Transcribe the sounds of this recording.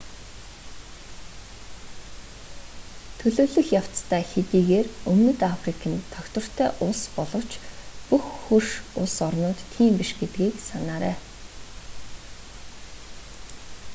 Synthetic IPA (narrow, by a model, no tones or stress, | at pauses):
t̪ʰɵɮɵːɮɵ̆xjaw̥t͡st̪ʰæːxet̪iːɣeːrɵmnɵ̆t̪afrikʰə̆nt̪ʰɔkt̪ɞ̆r̥t̪ʰæːʔʊɮspɔɮɞ̆w̥t͡ɕpuxːurʃʊɮsɔrnʊːt̪ːʰiːmpiʃɡet̪ɡʲiːksanaːɾæ̰ː